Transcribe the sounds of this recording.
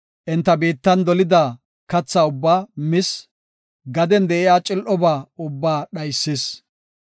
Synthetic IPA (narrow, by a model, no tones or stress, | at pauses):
ʔɪnt̪ːɐbeːt̪ːɐnd̪ɔlɪd̪aː | kɐt͡sːaːʊbːaːmɪs | ɡɐd̪ɛnd̪ɛʔɪjaːt͡ʃʼɪlʔɔbaːʊbːaːɗɐjsːis